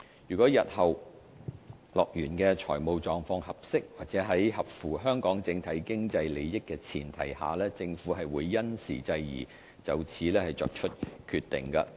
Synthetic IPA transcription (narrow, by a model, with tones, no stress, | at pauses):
jyː˨˩kɔː˨˥jɐ˨t̚hɐ˨˩w | lɔː˨˩k̚jyː˨˩nkɛː˧t͡ʃʰɔː˨˩jmo˨˧wt͡ʃɔː˨˧ŋfɔː˧ŋhɐ˨p̚sɪ˥k̚waː˨˩k̚t͡sɛː˨˥ɦɐ˨˥jhɐ˨p̚fuː˨˩ɦœː˥ŋkɔː˨˥ŋt͡sɪ˧ŋt̪ʰɐ˨˥jkɪ˥ŋt͡sɐ˧jle˨˧jjɪ˥kːɛː˧t͡sʰiː˨˩nt̪ʰɐ̰˨˩jha̰ː˨˩lɛː˥t͡sɪ˧ŋfuː˨˥ɦɐ˨jwuː˨˧jːɐ˥nsḭː˨˩t͡sɐ˧jjḭː˨˩ | t͡sɐ˨wt͡sʰiː˨˥lɛː˥hɐ˨jt͡sɔ̰ː˧k̚t͡ʃʰɵ˥t̚kʰyː˨˧t̪ɪ̰˨˩ŋkɐ̰˧